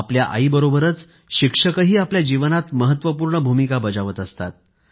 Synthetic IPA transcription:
apljaʔa̰ibəɾobəɾət͡s | ɕikʂəkəɦiːapljad͡ʑiʋənat̪məɦət̪ːʋəpuːɾɳəbʱumikabəd͡zaʋət̪əst̪a̰t̪̚

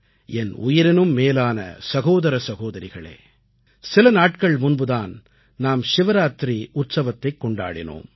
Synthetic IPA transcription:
ɛnʊ̰jɪɾɪnɯmːeːlaːnɐ̰sɐɣoːðɐɾɐsɐɣoːðɐɾɪɣɐɭḛː | sɪlɐnaːʈkɐɭmʊnbɯðaːn | naːmʃɪʋɐɾaːt̪ɾiʊt̪sɐʋɐt̪ːɐɪkːɔɳɖa̰ːɽɪno̰ːm

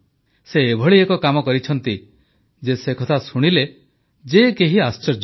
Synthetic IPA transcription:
seːbʱɔɭiekɔkamɔkɔɾit͡ʃʰɔnt̪i | d͡ʒesekɔt̪ʰasuɽ̃ile | d͡ʒekeɦiast͡ʃɔɾd͡ʒ

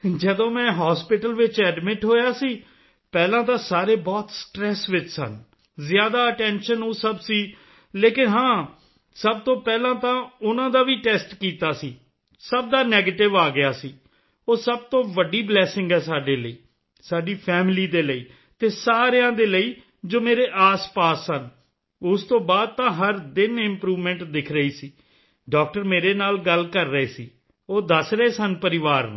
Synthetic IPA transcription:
d͡ʒəd̪õːmɛ̃ːɦaːspɪʈəlʋɪt͡ʃɛːɖmɪʈɦoːjaːsiː | pɛːlãːt̪ãːsaːɾeːbɔːt̪sʈɾɛːsʋɪt͡ʃsə̰n | zjaːd̪aːəʈɛ̃ːnʃənoːsəbsiː | leːkɪnɦãː | səb̚t̪õːpɛːlãːt̪ãːʊnãːd̪aːʋiːʈɛːsʈkiːt̪aːsiː | səb̚d̪aːnɛːɡeːʈɪʋaːɡɪjaːsiː | oːsəb̚t̪õːʋəɖːiːblɛːsɪ̃ŋɡɦɛːsaːɖeːləiː | saːɖiːpʰɛːmliːd̪eːləiː | t̪eːsaːɾejãːd̪eːləiː | d͡ʒoːmeːɾeːʔaːspaːsːən | ʊst̪õːbaːd̪̚t̪ãːɦəɾd̪ɪnɪ̃mpɾuːʋmɛ̃ːɳʈd̪ɪkʰɾəiːsiː | ɖaːk̚ʈəɾmeːɾeːnaːlɡəlkəɾːəeːsiː | oːd̪əsɾəeːsənpəɾɪʋaːɾnː

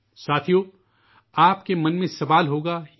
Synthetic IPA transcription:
saːt̪ʰijo | aːpkemɐ̃nmẽsɐʋaːlɦoːɡaː

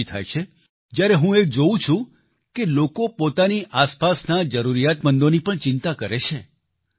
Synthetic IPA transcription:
it̪ʰa̰jt͡ʃʰe | d͡ʒjaɾeɦũek̚d͡ʒoũt͡ʃʰũ | kelokopot̪aniʔaspasnad͡ʒəɾuɾijat̪mənd̪onipəɳt͡ʃɪnt̪akəɾet͡ʃʰe

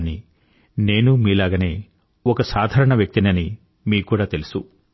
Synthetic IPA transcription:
ni | ne̞ːnumiːlaːɡɐne̞ː | ɔkɐsaːd̪ʱaːɾɐɳɐʋjɐk̚t̪inɐni | miːkuːɽaːt̪e̞lusu

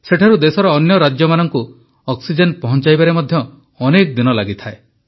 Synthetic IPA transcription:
seʈʰaɾud̪esɔɾɔːnjɔɾad͡ʒjɔmanɔŋku | ɔksid͡ʒenpɔɦɔnt͡ʃajbaɾemɔd̪ʱjɔː | nek̚d̪inɔlaɡit̪ʰae

